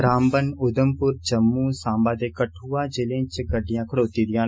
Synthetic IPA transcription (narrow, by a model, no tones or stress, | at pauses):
ɾaːmbənʊd̪əmpʊɾd͡ʒəmːuːsãːmbãːd̪eːkəʈʰuːãːd͡ʒɪlẽːt͡ʃɡəɖːɪjãːkʰəɽoːt̪iːd̪ɪjãː